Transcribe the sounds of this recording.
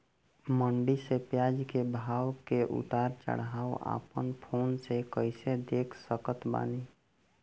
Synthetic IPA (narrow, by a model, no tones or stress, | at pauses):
məɳɖisepjad͡ʒkebʱawkeʔṵt̪aɾt͡ʃə̰ɽ̤ɦaoa̰pənpʰonsekəɪsed̪ekʰsəkət̪ba̰ni